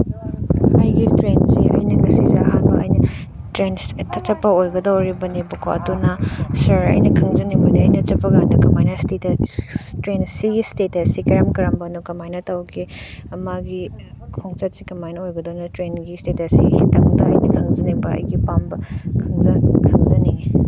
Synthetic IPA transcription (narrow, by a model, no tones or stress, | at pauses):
ɐjɡitɾenziɐ̰jnɐɡɐsizeɐɦanbɐʔɐ̰jnɐ | tɾentʰɐt͡ʃɐpːɐojɡɐdawɾibɐnibɐkʰoɐ̰tunɐsɐɾɐ̰jnɐkʰɐŋzɐnibɐniɐjnɐt͡ʃɐpːɐɡanɐkɐmajnɐstet | tɾensiɡistetɐsikeɾɐmkɐɾɐmbɐnukɐmajnɐtawɡiɐmaɡi | kʰoŋt͡ʃɐt̚sikɐmajnɐojɡɐdawnɐtɾenɡistetɐsḭhitɐŋdɐɐ̰jɡikʰɐŋd͡ʒɐnibɐɐ̰jɡipambɐkʰɐŋzɐkʰɐŋzɐni